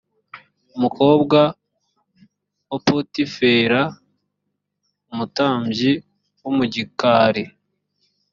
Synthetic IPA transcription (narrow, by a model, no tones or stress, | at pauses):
umuko̞ːbɡa | wapotifeːɾa | umutaːmɟi | wumuɟikaːɾe